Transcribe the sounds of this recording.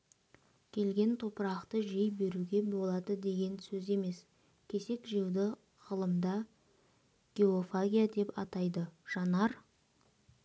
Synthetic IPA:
kʲʰe̞lɡʲe̞nt̪ʰo̞pəɾɑqt̪əʒejbe̞ɾuɡʲe̞bo̞lˠɑd̪əd̪e̞ɡʲe̞nsɵze̞me̞s | kʲʰe̞se̞kʒijəwd̪ə | ʁəlˠəmd̪ɑ | ɡ̥ʲe̞ofaɡʲijad̪e̞pɑt̪ɑjd̪əʒ̥ɑnɑɾ

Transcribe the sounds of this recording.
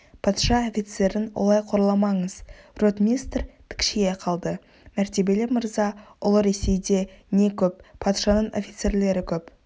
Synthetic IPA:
pʰɑt̪ʃɑo̞fʲit̪se̞ɾɪnwʔo̞̰lˠɑjqʰo̞ɾəlˠɑmɑɴəzrot̪mʲijst̪rpʰɪ̥kʃejeqʰɑlˠd̪ə | mæɾt̪e̞be̞lɪməɾzɑʊlˠəɾe̞se̞jd̪e̞ne̞kʲʰɵp̚ːʰɑt̪ʃɑnəɴo̞̰fʲit̪se̞rle̞ɾɪkʲʰɵp

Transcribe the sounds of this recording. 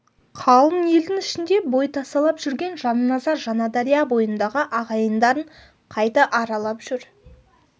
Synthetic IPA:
qʰɑlˠəmje̞ld̪ɪŋɪʃɪnd̪e̞bo̞jt̪ʰɑst̪ɑlˠɑpʒ̥ʏɾɡʲe̞nʒɑnənɑzɑɾʒɑnɑd̪ɑɾijɑbo̞jənd̪ɑʁəʔɑʁɑjənd̪ɑɾəɴ | qʰɑjt̪ɑʔɑɾɑlˠɑpʒ̥ʏɾ

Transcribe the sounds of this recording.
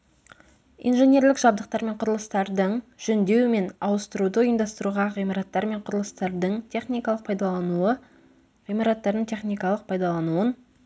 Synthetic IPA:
ḭnʒe̞nʲe̞ɾlɪkʒ̥ɑbd̪əq̚t̪ɑɾme̞ɴqʰʊɾəlˠəst̪ɑɾd̪əɴʒ̥ɵnd̪e̞wɪme̞nɑwəst̪əɾud̪əʊjəmd̪ɑst̪əɾuʁɑʁijmɑɾɑt̪ːɑɾme̞ɴqʰʊɾəlˠəst̪ɑɾd̪əɴt̪ʲʰe̞χnijkɑlˠəq̚pʰɑjd̪ɑlˠɑnuə | ʁijmɑɾɑt̪ːɑɾd̪əɴt̪ʰe̞χnijkɑlˠəq̚pʰɑjd̪ɑlˠɑnuən

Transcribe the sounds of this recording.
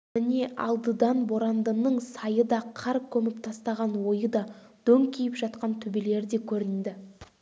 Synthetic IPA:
mɪne̞ʔɑ̰lˠd̪əd̪ɑnbo̞ɾɑnd̪ənəɴsɑjəd̪ɑqʰɑɾp̚kʲʰɵmɪpt̪ʰɑst̪ɑʁɑnwo̞jəd̪ɑd̪̥ɵŋkʲʰijɪpʒɑt̪̚qɑnt̪ʰʏbele̞ɾd̪e̞kʲʰɵɾɪnd̪ɪ

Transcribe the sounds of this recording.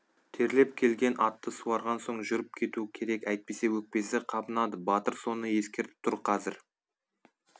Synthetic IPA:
t̪ʰe̞ɾle̞p̚kʲʰe̞lɡʲe̞nʔɑt̪ːəsuɑɾʁɑnso̞ɴʒʏɾɪp̚kʲʰe̞t̪uɪkʲʰe̞ɾe̞kæjt̪̚pe̞se̞wɵk̚pe̞sɪqʰɑbənɑd̪əbɑt̪əɾso̞nəje̞skʲe̞ɾt̪ɪ̥p̚t̪ʰʊɾqʰɑzɪɾ

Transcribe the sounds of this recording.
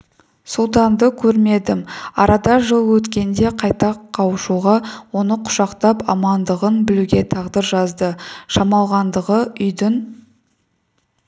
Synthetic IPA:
sulˠt̪̬ɑnd̪əkʲʰɵɾme̞d̪ɪmɑ̰ɾɑd̪ɑʒəlˠwɵt̪kʲe̞nd̪e̞qʰɑjt̪ɑqʰːɑwəʃuʁɑwo̞nəqʰʊ̥ʃɑqt̪ɑpɑ̰mɑnd̪əʁənbɪluɡʲe̞t̪ʰɑʁd̪əɾʒɑzd̪əʃɑmɑlˠʁɑnd̪əʁəʏjd̪ɪn

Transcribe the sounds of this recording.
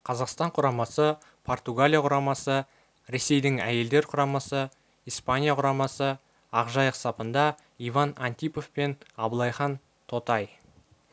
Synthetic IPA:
qʰɑzɑqst̪ɑɴqʰʊɾɑmɑsə | pʰo̞rt̪uɡalʲijaqʰʊɾɑmɑsə | ɾe̞se̞jd̪ɪŋæ̰je̞ld̪eɾqʰʊɾɑmɑsə | ijspanʲijaqʰʊɾɑmɑsə | ɑqʒɑjəqsɑpənd̪ɑ | ijvɑnɑnt̪ʲijpo̞fpe̞nɑblˠɑjχɑn | t̪ʰo̞t̪ɑj

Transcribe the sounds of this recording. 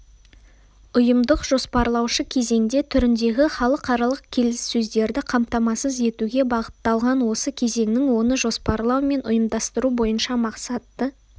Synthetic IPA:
ʊjəmd̪əqʒo̞spɑɾlˠɑwʃəkʲʰe̞ze̞ŋd̪e̞t̪ʰʏɾɪnd̪e̞ɡʲɪχɑlˠəqɑɾɑlˠəq̚kʲʰe̞lɪsːɵzd̪e̞ɾd̪ɪqʰɑmt̪ɑmɑsəze̞t̪uɡʲe̞bɑʁət̪ːɑlˠʁɑnwo̞səkʲʰe̞ze̞ŋnɪŋwo̞nəʒo̞spɑɾlˠɑwme̞nʔʊ̰jəmd̪ɑst̪əɾubo̞jənʃɑmɑqsɑt̪ːə

